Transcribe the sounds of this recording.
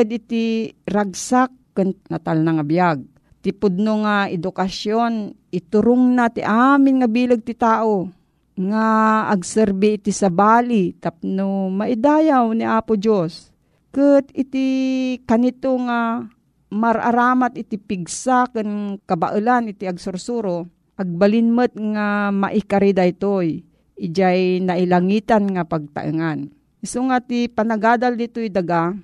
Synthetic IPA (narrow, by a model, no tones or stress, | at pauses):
ɨd̪ʔɪt̪iɾaɡ̚sakːɨnnat̪alnaŋabijaɡ̚ | t̪ɪpʊd̪̚noŋaɛd̪ʊkasjonʔɪt̪ʊɾʊŋnat̪ɪʔaːmɪnŋabiːlɨɡ̚t̪ɪt̪aːʔo | ŋaːɡsɛɾbiːt̪isabaːlit̪ap̚nomaʔɪd̪aːjawniʔaːpʊd͡ʒos | kɨt̪ɪt̪ikanɪt̪oŋa | maɾa̰ɾaːmat̪ɪt̪ipɪɡsakɨnkabaʔɨlanɪt̪iaɡsʊɾsuɾo | ʔaɡ̚balɪnmɨt̪̚ŋama̰ʔɪkaɾid̪ajt̪oj | ɪd͡ʒajnaʔɪlaŋiːt̪anŋapaɡ̚t̪a̰ʔɨ̰ŋan | ɪsoŋat̪ipanaɡaːd̪ald̪ɪt̪ojd̪aɡa